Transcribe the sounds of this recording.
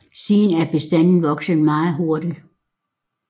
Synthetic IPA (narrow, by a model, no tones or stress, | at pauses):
siːnæɐb̥e̝sd̥æn̰n̩ʋɒ̽ɡ̥sən̩ˠmɑ̈ːð̩ˠɦɔɐɾ̥i